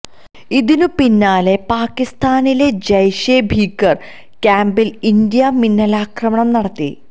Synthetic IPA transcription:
iðinupinːaːle̞paːkːist̪ʰaːnile̞d͡ʑɐjɕebʱiːkːɐr | kaːmbilind̪jɐminːɐlaːkrɐmɐɳɐmnɐɽɐt̪ːḭ

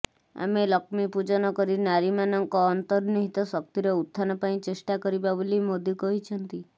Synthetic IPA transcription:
a̰melɔkmipud͡ʒɔnɔkɔɾinaɾimanɔŋkɔːnt̪ɔɾniɦit̪ɔsɔk̚t̪iɾɔut̪ʰːanɔpaĩt͡ʃesʈakɔɾibabolimod̪ʱjukɔɦit͡ʃʰɔnt̪i

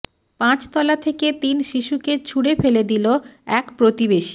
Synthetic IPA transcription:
pãt͡ɕt̪ɔlat̪ʰeket̪inʃiʃuket͡ɕʰuɽefeled̪iloɛkpɾot̪ibeʃi̥

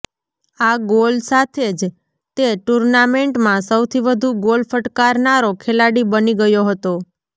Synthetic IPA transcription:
aɡolsat̪ʰed͡ʒ | t̪eʈuɾnameɳʈmãsəwt̪ʰiʋəd̪ʱuɡolfəʈkaɾnaɾokʰelaɽibəniɡəjoɦət̪o

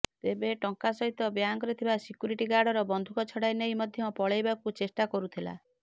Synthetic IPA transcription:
t̪ebeʈɔŋkasɔɦit̪ɔbjaŋkɔɾit̪ʰibasikjuɾiʈiɡaɾɽɔɾɔbɔnd̪ʱukɔt͡ʃʰɔɽajnejmɔd̪ʱjɔpɔɭejbakut͡ʃesʈakɔɾut̪ʰila̰

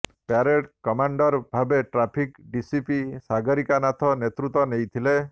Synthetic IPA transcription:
paɾeʈkɔmaɳɖɔɾbʱabeʈɾapʰikɖisipisaɡɔɾikanat̪ʰɔnet̪ɾut̪ɔnejt̪ʰile

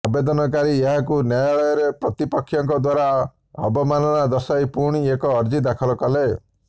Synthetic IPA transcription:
abed̪ɔnɔkaɾieɦakunjajaɭɔjɔɾepɾɔt̪ipɔkʰːjɔŋkɔd̪waɾa | ɔ̰bɔmanɔnad̪ɔsajpuɾɽ̃iekɔːɾd͡ʒid̪akʰɔlɔkɔle

